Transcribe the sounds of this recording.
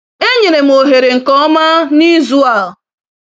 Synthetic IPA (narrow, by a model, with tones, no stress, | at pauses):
e˦ɲe˨ne˨m̩˨o˨ɦe˨ɾe˨ŋ̩˨kɔ˦ma˦ni˦zu˦a˨l